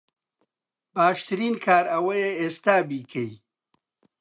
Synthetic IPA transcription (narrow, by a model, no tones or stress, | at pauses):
baːʃt̪ɨɾiːnkʰaːɾɐwɐjeest̪aːbikʰɐj